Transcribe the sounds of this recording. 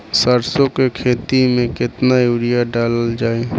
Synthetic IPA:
səɾsõkekʰeːt̪imẽkɪt̪najuːɾijaɖaːləld͡ʒaːe

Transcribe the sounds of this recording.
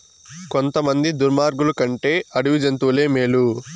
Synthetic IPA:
kont̪ɐmɐnd̪id̪uɾmaːɾɡulukɐɳʈe̞ːɐɽuʋid͡ʒɐnt̪uːle̞ːmeːlu

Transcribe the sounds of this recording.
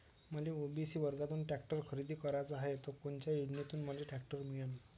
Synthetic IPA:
məleobisiːʋəɾɡat̪uːnʈɛk̚ʈəɾkʰəɾid̪ʱiːkəɾat͡saɦet̪ɔkunt͡ɕjajunet̪uːnməleʈɛkʈəɾmijan

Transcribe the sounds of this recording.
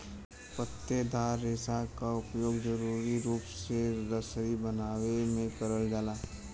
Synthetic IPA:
pət̪ːed̪ʱaːɾːeːsakaʊpjoːɡd͡ʒəɾuːɾiɾuːpseɾəsəɾibənaːʋemẽkɐɾəld͡ʒaːlaː

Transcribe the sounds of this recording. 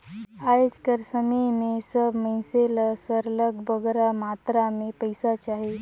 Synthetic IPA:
ajod͡ʒkəɾsəmenesəbʱməselasəɾləɡbəɡɾamat̪ɾamepəjsat͡ʃaɦe

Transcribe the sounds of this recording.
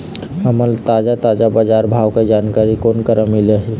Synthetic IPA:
əməlt̪aːd͡ʒat̪aːd͡ʒabad͡ʒaːɾbʱaːwked͡ʒaːnkaːɾikoːnkəɾʔəmːileɦ

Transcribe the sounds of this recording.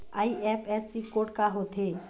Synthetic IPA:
aːiʔefʰɛsːikoʈkaɦot̪ʰe

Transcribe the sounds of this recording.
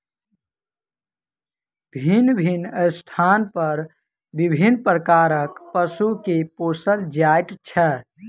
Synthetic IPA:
bʱinbʱinəsʈ̪ʰanpəɾ | bibʱinpɾəkaːɾəkpəsukepoːsəld͡ʒajʈt͡ʃʰə

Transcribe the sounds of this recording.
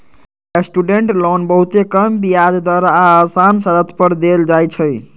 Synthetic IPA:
esʈuɖeɳʈlonbəɦut̪ekəmbijad͡ʒd̪waɾasansəɾət̪ʰpəɾd̪eld͡ʒajt͡ʃʰəj

